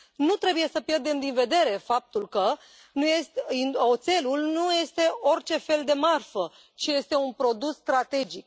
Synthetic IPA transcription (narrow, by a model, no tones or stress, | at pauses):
nut̪ɾe̞buje̞səpjerd̪e̞md̪inve̞d̪e̞ɾe̞fap̚t̪ulkə | nujest̪inot̪se̞lulnuje̞st̪e̞o̞rt͡ʃe̞fe̞ld̪e̞marfə | t͡ʃije̞st̪e̞unpɾo̞d̪usːt̪ɾat̪e̞d͡ʒik̚